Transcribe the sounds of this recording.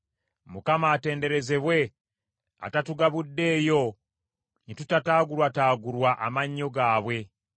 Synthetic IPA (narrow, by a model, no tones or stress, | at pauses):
mukamaːte̞ːnde̞ɾe̞ze̞βwe̞ | a̰tatuɡaβudːe̞ːjo̞ | nitutataːɡuɾwataːɡuɾwaʔamaɲːo̞ɡaːβwe̞